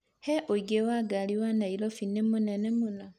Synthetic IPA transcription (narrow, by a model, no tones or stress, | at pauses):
heʔoiɡewaɡaliwanailofinemunanemuna